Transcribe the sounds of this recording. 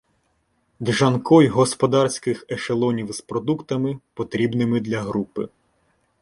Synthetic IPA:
d̪ʒɐnkɔjɦɔspɔd̪ɑrsʲkɪxɛʃelˠɔnʲiwzpɾɔd̪ukt̪ɐmɪpɔt̪ɾʲibnɪmɪd̪lʲɐɦɾupɪ̰

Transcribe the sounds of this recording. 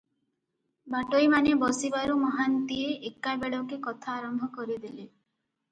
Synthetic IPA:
baʈojmanebɔsibaɾumɔɦant̪ieʔekːabeɭɔkekɔt̪ʰaːɾɔmbʱɔkɔɾid̪ile

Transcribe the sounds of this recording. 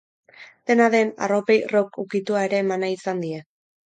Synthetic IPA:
d̪̥e̞naðe̞na̰ro̞pe̞jrokukit̪uaeɾe̞ːmanaisand̪ie̞

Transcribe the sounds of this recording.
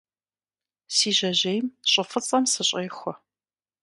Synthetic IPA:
siːʑɐʑejmɕʼɪfɨt͡sʼɐmsɨɕʼejxʷɔ

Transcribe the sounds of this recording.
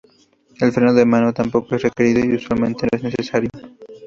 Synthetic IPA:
e̞lfɾenoðemanot̪ampo̞koe̞sre̞ke̞ɾiðoiuswalmẽ̞nt̪e̞noe̞zne̞sesaɾjo

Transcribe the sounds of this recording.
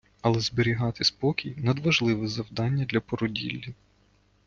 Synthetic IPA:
ɐlˠɛzbɪɾʲiɦɑt̪ɪspɔkʲijnɐd̪ʋɐʒlˠɪʋɛzɐwd̪ɑnʲːɐd̪lʲɐpɔɾɔdʲḭlʲːi

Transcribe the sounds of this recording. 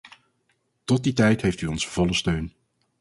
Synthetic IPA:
tɔt̚ditɛjtɦejftyɔnsəv̥ɔləstøɥn

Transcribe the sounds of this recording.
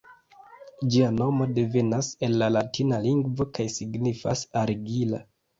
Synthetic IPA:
d͡ʒiano̞mo̞de̞ve̞nase̞nːalatʰinaliŋɡvo̞kajsiɡnifasaɾiɡila̰

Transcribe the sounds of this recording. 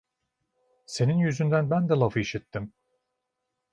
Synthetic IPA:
se̞ninjyzynd̪ænbænd̪ɛlˠafɯiʃit̪ːim

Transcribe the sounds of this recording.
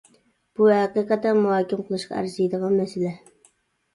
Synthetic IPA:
b̥uhæqiqɑt̪ːɛmuhɑːkʲɪmqəlˠɨʃqɑ̰æ̰ɾzijd̪əʁɑnmɛsɪlɛ

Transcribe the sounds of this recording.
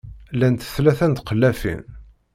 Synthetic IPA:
lːænt̪ə̥θlæθænt̪qəlːæfḭn

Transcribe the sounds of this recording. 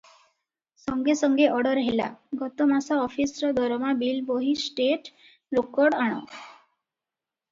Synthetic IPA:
sɔŋɡesɔŋɡeʔɔɽɔɾɦela̰ɡɔt̪ɔmasaɔpʰisɾɔd̪ʱɔɾɔmabilboɦisʈeʈ | ɾokɔɽaɽ̃ɔ̰

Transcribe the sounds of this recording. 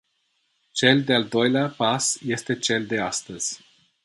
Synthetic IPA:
t͡ʃe̞ld̪e̞ald̪o̞jleapasje̞st̪e̞t͡ʃe̞ld̪e̞ast̪əz̥ʲ

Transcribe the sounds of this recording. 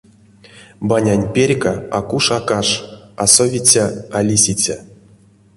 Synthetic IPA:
banʲanʲpʲerʲkaakuʂakaʂasovʲit͡sʲaalʲisʲit͡sʲa

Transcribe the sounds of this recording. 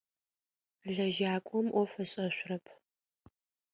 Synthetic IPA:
ɮɐʒaːkʷʼɔmʔɔfɐɕʼɐɕʷrɐpʰ

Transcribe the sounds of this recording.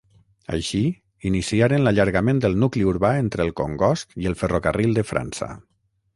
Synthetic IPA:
ə̰ʃi | inisiaɾənlaʎəɾɣamẽnd̪əlˠnukliuɾβaent̪ɾəlˠkoŋɡɔskiəlˠfərokərʔilˠd̪əfɾʔa̰nsə̰

